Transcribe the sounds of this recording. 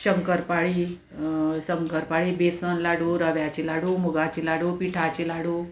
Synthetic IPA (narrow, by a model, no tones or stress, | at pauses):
ɕəŋkəɾpaɭiː | səŋkəɾpaɭibesənlaɽuɾəʋjat͡ɕilaɽumuɡat͡ɕilaɽuːpiʈʰat͡ɕilaɽu